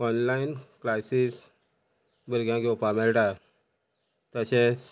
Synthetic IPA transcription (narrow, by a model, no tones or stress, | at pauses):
ɔnlainklasis | bəɾɡjãɡewpamɛlʈa | t̪əɕɛ̃s